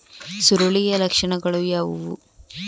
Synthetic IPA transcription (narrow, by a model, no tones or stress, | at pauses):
suɾoɭijɐlɐkʂɐɳɐɡɐɭujaːʋuʋṵ